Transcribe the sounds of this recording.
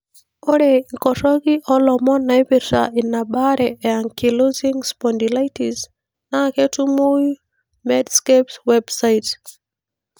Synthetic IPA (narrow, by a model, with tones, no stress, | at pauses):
ɔ˦ɾɛ˨ikɔ˨tɔ˦ki˦ʔɔ˦lɔ˨mɔ˦na˨jpi˨ɾsa̰i˨nːa˨ɓa˦ɾɛɛa˨ŋki˨lo˦zi˦ŋspɔndila˦jti˨z | na˦ke˦tu˦mu˦j | mɛ˦dskepswɛbsajt